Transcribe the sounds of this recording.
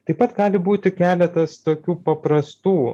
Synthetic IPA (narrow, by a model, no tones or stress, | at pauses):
t̪ɐɪpɐt̪ɡɑːlʲɪbuːt̪ʲɪkʲæːlʲɛt̪ɐst̪oːkʲuːpɐpɾɐst̪uː